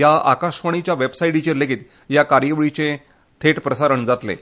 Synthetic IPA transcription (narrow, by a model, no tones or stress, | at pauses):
jaa̰kaɕʋaɳ̃it͡ɕjaʋebsaiɽit͡ɕeleɡiːt̪ | jakaɾjəʋɭit͡sẽ | t̪ʰeʈpɾəsaɾəɳd͡zat̪lḛ